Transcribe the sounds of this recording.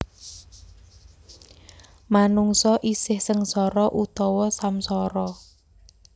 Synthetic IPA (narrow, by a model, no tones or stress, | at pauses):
manuŋsɔʔisɪhsəŋsɔɾɔʔut̪ɔwɔsamsɔɾɔ